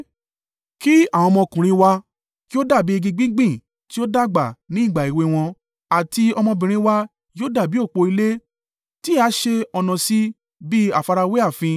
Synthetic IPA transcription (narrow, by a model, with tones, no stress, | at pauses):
ki˦a˦˨w̃ɔ̃˧mɔ̃˧kũ˨ɾ̃ĩ˧wa˧ | ki˦o˦da˦˨bi˦i˧ɡĩ˧ɡ͡bĩ˦ɡ͡bĩ˦˨ | ti˦o˦da˦˨ɡ͡ba˨nĩ˨˦˨ɡ͡ba˨i˨we˧w̃ɔ̃˧ | a˨ti˧ɔ˧mɔ̃˧bĩ˨ɾ̃ĩ˧wa˧ | joː˦da˦˨bi˨˦o˦˨k͡po˧i˧le˦ | ti˦a˦ʃe˧ɔ˧nɔ̃˧si˦ | bi˦a˦˨fa˧ɾa˧we˦a˦˨fĩ˧